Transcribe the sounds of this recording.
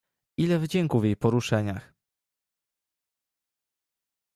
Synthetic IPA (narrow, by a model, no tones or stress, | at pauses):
ʔilɛvd͡ʑɛŋkuvʲjejpɔɾuʂɛɲax